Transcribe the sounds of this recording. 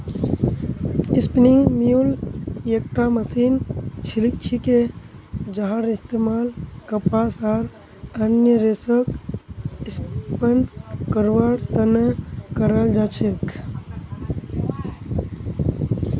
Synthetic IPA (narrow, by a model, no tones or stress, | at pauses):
ispniŋɡmijuljek̚ʈaməsiːnt͡ʃʰilik̚t͡ʃʰike | d͡ʒəɦaɾist̪emaːlkəpasaɾ | ənjəɾesək | ispənkəɾʋaɽt̪ənekəɾəld͡ʒat͡ʃʰek